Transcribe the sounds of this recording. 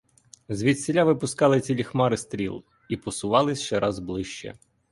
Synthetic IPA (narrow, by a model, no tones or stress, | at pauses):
zʋʲit̪ʲsʲɪlʲaʋɪpʊskɑlˠɪt͡sʲilʲixmɑɾɪst̪ɾʲḭlˠ | ipɔsʊʋɑlˠɪsʲʃt͡ʃɛɾʔɑzblˠɪʃt͡ʃɛ̰